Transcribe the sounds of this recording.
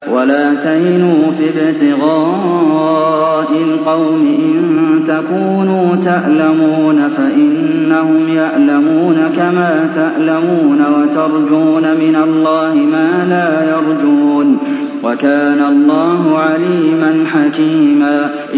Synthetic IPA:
wʔalaːt̪ahɪnuːfɪbɪt̪ɪɣɑː | ʔɪlqɑwmɪʔɪnnt̪akuːnuːt̪aʔlamuːnafaʔɪnː | ahʊmjaʔlamuːnakamaːt̪aʔlamuːnawat̪ɑɾˤd͡ʒuːnamɪnalˤːɑːhɪmaːlaːjɑɾˤd͡ʒuːn | wakaːnalˤːɑːɦʊʕaliːmanħakiːmaː

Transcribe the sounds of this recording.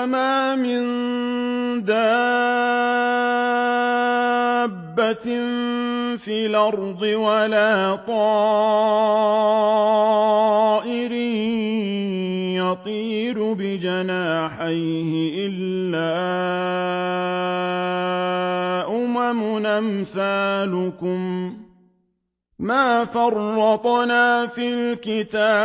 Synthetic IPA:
maːmɪn | d̪aː | bːa | fiːlʔɑɾˤðˤɨwalaːt̪ˤɑː | ʔɪɾi | jɑt̪ˤiː | ɾʊbɪd͡ʒanaːħaj | hɪʔɪlː | aː | ʔʊmamʊnʔamθaːlʊkʊm | maːfɑrˤːɑt̪ˤnaːfilkɪt̪aː

